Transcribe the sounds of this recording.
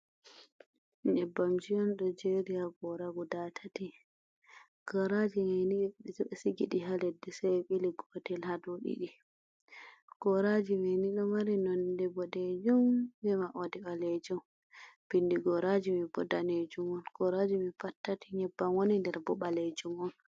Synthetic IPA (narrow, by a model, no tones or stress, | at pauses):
ɲɛbːamd͡ʒijɔnɗɔd͡ʒeɾiaɡɔɾaɡudatʰati | ɡ̥ɔɾad͡ʒimɛniɗɔɗɛsuɓɛsiɡḭɗiɦalɛdːɛsɛjɓiliɡɔtɛlhadoɗḭɗi | ɡ̥ɔɾad͡ʒimɛjniɗɔmaɾinɔndɛbɔded͡ʒumbɛmaʔodɛɓaled͡ʒum | b̥inːdiɡɔɾad͡ʒimibɔdaned͡ʒumɔnɡ̥ɔɾad͡ʒimifatːatʰiɲɛbːamwonindɛɾbɔɓaled͡ʒumɔn